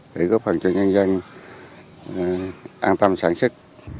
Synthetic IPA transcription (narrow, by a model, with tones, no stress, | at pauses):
ɗḛ˧˩ɣɔ˦˥p̚hə˨˩nt͡ɕɔ˧ɲə˧nzə˧ŋ | ʔaː˧nt̪ə˧msaː˧˩nsɨ˦˥k̚